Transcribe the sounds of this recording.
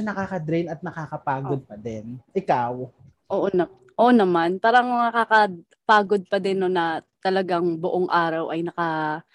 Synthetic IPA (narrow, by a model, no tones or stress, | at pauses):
ɐnɐkaːkɐd̪ɾɛjnɐt̪̚nɐkaːkɐpaːɡod̪̚pɐd̪ɛnʔɪkaw | ʔoːʔonɐ | ʔoːʔnɐmanpaːɾɐŋɐkaːkɐ | paːɡod̪̚pɐd̪ɛnːonɐt̪ɐlɐɡaŋbʊʔoŋʔaːɾɐwʔɐjnɐkɐ